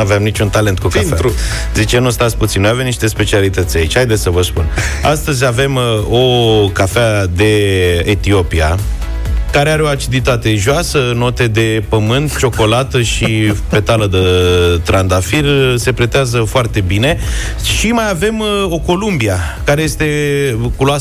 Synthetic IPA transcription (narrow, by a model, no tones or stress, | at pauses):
aveamnit͡ʃunt̪ale̞nt̪̚kukinu | zit͡ʃenust̪at̪sʲput̪sinːojavemniʃt̪e̞spe̞t͡ʃialit̪ət̪sʲait͡ʃʲhajd̪esʲsəvəspṵna̰st̪əzʲave̞mo̞kafead̪e̞et̪io̞pia | kaɾeaɾeo̞at͡ʃid̪it̪at̪e̞ʒoasəno̞t̪e̞d̪e̞pəmɨnt̪t͡ʃo̞ko̞lat̪əʃipe̞t̪aləd̪ət̪ɾand̪afirse̞pɾet̪eazəfoart̪e̞bine̞ | ʃimajave̞mo̞ko̞lumbia | kaɾe̞jest̪e̞kuloa